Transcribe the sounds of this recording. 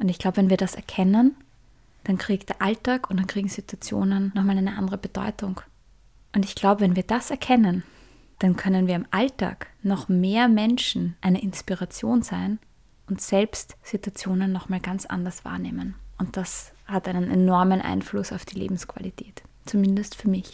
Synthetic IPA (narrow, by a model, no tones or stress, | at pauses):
ʔʊntɪçɡ̥l̥aʊbəvɛnviːɐdasɛ̰ɐkʰɛnən | d̥ankʁ̥iːkd̥eːɐʔaltaːkʊnt̚d̥ankʁ̥iːɡŋ̩z̥ituat͡sjo̰ːnənnɔχmaːlæɪnəʔandəʁəbəd̥ɔ̰ʏtʊŋ | ʔʊntɪçɡ̥laʊbəvɛnviːɐd̥asɛɐkʰɛnən | d̥ankʰœnənviːɐɪmʔalta̰ːknɔχmeːɐmɛnʃn̩ʔaɪnəʔɪnspiʁat͡sjoːnz̥aɪn | ʊntz̥ɛlpstz̥ituat͡sjoːnənːɔχmaːlɡ̥ant͡sʔa̰ndɐsv̥a̰ːɐneːmənʔʊnt̚d̥ashatʔaɪnənɛnɔɐmənʔa̰ɪnflʊsaʊfd̥iːlḛːbm̩skv̥a̰litʰɛːt | t͡sumɪndəstfyːɐmɪç